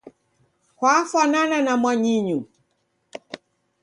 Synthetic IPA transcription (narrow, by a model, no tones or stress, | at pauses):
hwafanananamwaɲiɲu